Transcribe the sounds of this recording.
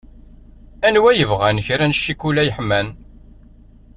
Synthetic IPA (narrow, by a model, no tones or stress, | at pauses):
ænwæjəvʁænəçɾænʃːikulæjəħmæn